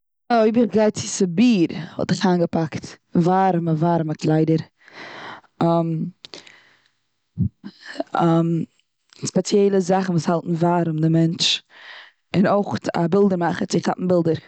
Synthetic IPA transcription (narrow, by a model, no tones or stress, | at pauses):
oɪbəχɡaɪtt͡sɪsəbiːɾhɔ̰lˠtɪχaːnɡəpakt | vaːɾməvaːɾməkʰlˠaɪdəɾ | am | am | spɛt͡sjɛɪlˠəzaχn̩vuːshalˠtn̩vaːɾʊmdɪmɛnt͡ʃ | ɪnoɪχa̰bɪlˠdəɾmaχət͡sɪχa̰pm̩bɪlˠdəɾ